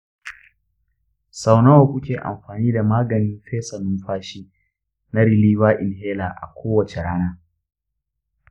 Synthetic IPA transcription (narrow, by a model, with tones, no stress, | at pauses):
sa˨wna˦wɐ˨kʷʊ˦kʲeː˨ʔa̰˨mɸaː˨niː˦da˨maː˦ɡɐ˨nɪ˦mɸeː˦sɐ˨nʊ˦mɸaː˦ʃi˦ | na˦ɽɪ˨liː˦waː˦ʔɪ˨nɦeː˦laː˨ʔa̰˨kʷoː˦wɐ˨t͡ʃe˨ɽaː˦naː˦